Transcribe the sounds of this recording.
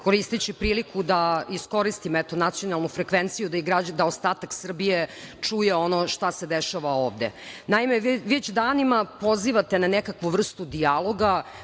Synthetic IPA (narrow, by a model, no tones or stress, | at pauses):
ko̞ɾist̪it͡ɕipɾiːlikʰud̪aisko̞ɾist̪imoɛt̪o̞nat̪sio̞nalˠnufɾekʋent̪sijud̪aiɡɾad͡ʑd̪aost̪aːt̪aksr̩bijet͡ʂujeo̞noʃt̪ased̪eʃaʋaoːʋd̪ḛnaimeʋet͡ɕd̪aːnimapo̞ziʋat̪enanekakʋuʋr̩st̪ud̪ialˠo̞ɡa